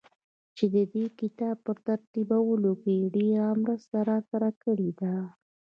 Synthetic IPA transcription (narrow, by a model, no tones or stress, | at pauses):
t͡ʃed̪əd̪ekɪt̪ɑb̚pəɾt̪aɾt̪ibawəlokeɖeɣamɾəst̪aɾɑkaɾakəɽed̪a